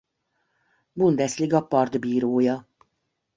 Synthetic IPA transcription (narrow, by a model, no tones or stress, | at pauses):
bund̪ɛsliɡɒpɒrd̪biːɾoːjɒ